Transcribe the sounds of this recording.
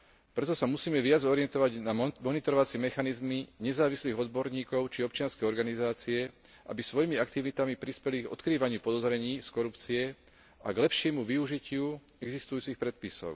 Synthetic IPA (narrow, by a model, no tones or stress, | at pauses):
pɾɛt̪ɔsamusiːmɛʋɪad͡zɔɾiɪɛnt̪ɔʋaɟnamɔnit̪ɔɾɔʋat͡sɪɛmɛxanizmiɲɛzaːʋisliːɣɔd̪bɔɾɲiːkɔʊt͡ʃiɔp̚t͡ʃɪanskɛjɔɾɡanizaːt͡siɛ | ʔa̰bisʋɔjimiakt̪iʋit̪amipɾispɛliɡɔ̰t̪kɾiːʋaɲɪupɔd̪ɔzɾɛɲiːskɔɾupt͡siɛ | a̰ɡlɛpʃɪɛmuʋiuʒicɪu | ɛɡzist̪ujuːt͡sixpɾɛt̪̚pisɔ̰ʊ